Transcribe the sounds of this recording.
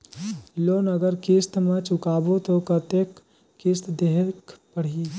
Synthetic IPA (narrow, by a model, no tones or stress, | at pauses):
loːnəɡəɾkist̪mẽt͡ʃʊkaːbot̪okɐt̪ekː | ɪst̪d̪eɦkpəɽ̤i